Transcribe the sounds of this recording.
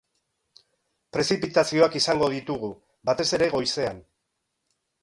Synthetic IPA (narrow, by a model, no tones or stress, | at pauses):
pɾe̞sipit̪asio̞akisaŋɡo̞ð̞it̪uɣ̞u | bat̪e̞se̞ɾe̞ɣo̞jse̞an